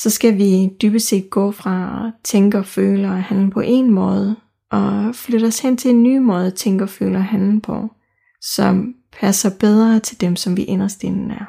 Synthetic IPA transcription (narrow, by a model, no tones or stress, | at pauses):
sɒ̽sɡ̥æʋid̥yb̥əse̝̰ːd̥̚ɡ̥ɔ̰̽ːfʁɑ̈t͡sʰeŋɡ̥əɒ̽fø̰ːləɒhænlpʰɒ̽ʔe̝nmɔ̽ːð̞̩ˠ | ʔɒ̽fløɾ̥ɐɒshen̰t͡sʰe̝lenːyːmɔ̽ːð̞̩ˠt͡sʰeŋɡ̥əɒ̽fø̰ːlɐɒɦænln̩pʰɒ̽ | sɒ̽m | pʰæsɐb̥eð̞ˠʁɐt͡sʰe̝ld̥emsɒ̽mʋiʔenɐsd̥e̝nn̩æɐ